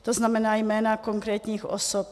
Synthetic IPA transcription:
t̪oznamɛnaːjmɛːnakoŋkɾɛːt̪ɲiːxʔo̰sop̚

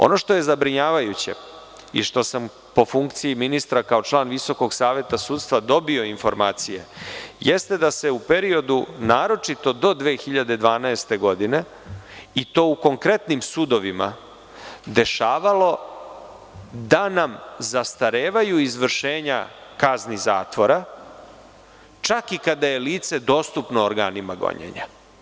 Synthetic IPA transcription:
o̞̰no̞ʃt̪o̞je̞zabɾiɲaːʋajut͡ɕe̞̰ | ḭʃt̪o̞sam | po̞fuŋkt̪sijiminist̪ɾakao̞t͡ʃlˠaːnʋiso̞ko̞ɡsaːʋje̞t̪asuːt̪st̪ʋad̪o̞bio̞info̞ɾmaːt̪sije̞̰jest̪e̞d̪ase̞upe̞ɾio̞d̪unaːɾo̞t͡ʂit̪o̞d̪o̞d̪ʋeːxiʎad̪e̞d̪ʋaːnaest̪e̞ɡo̞d̪ine̞ | it̪o̞ːuko̞ŋkɾe̞t̪nimsud̪o̞ʋima | d̪e̞ʃaːʋalo̞ | d̪anamzast̪aɾeːʋajuizʋr̩ʃe̞ːɲa̰kaznizaːt̪ʋo̞ɾa | t͡ʃakikad̪aje̞liːt̪se̞d̪o̞ːst̪upnoːɾɡaːnimaɡo̰ɲḛɲa

